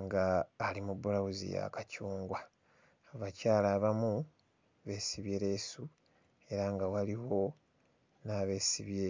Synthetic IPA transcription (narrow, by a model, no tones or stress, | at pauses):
ŋɡaːlimubːulawuzḭja̰kacuːŋɡwa | aβacaːlaːβamu | βe̞ːsiβje̞ɾe̞su | e̞ɾaŋɡawaliwo̞ | naːβe̞ːsiβje